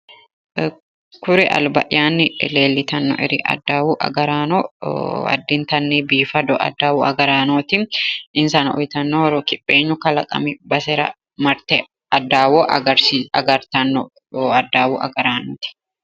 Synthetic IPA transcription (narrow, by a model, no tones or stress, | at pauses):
kʊɾɛʔɐ̰lbɐ̰ʔjaːnːɪɪ̰leːlːɪt̪ɐnːɔ̰ʔɛɾɪʔɐ̰d̪ːaːwuːʔɐ̰ɡɐɾaːnɔɐ̰d̪ːɪnt̪ɐnːebiːfɐd̪ɔʔɐ̰d̪ːaːuɐ̰ɡɐɾaːnoːt̪ɪʔɪnsɐnɐʔʊjt̪ɐnːoɔɾoːkɪpʼːeːɲːʊkɐlɐkʼɐ̰mɪbɐsɛɾɐ̰ | mɐɾt̪ɛ | ɐd̪ːaːwoʔɐɡɐɾiɐɡɐɾt̪ɐnːɔ | ɐd̪ːaːwuːʔɐ̰ɡɐɾaːnoːt̪ɪ̥